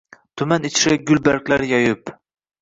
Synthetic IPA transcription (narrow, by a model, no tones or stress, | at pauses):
t̪ʰʊmanɪt͡ʃʰɾaɡʲʊlbaɾkʲlaɾjɒjɪp